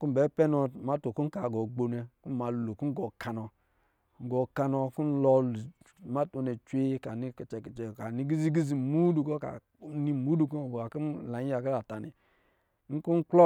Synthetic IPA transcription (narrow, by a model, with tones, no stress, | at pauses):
ku˦m̩˨bɛ˨˦pɛ˦nɔ˨tma˦to˨ku˦ka˨ɡo˨ɡ͡bo˨nɛ˨˦ku˦m˦ma˨lu˨lo˨ku˦ɡo˨kʰa˨nɔ˨ | ŋ̩˨ɡɔ˨ka˧nɔ˧ku˦n̩˦lɔ˨lma˦to˨ne˨t͡ʃʷe˦ka˨ni˦˨t͡ʃkka˨ni˦ɡi˦zi˦ɡi˦zi˨mu˦du˨ko˦ka̰˨˦ | ni˦˨mu˦du˨ko˦˨ɡo˨a˨ku˦˨la˨˦i˦a˨ki˦la˨ta˨nḭ˨˦ | ŋ̩˦ku˦ŋ̩˦klɔ˦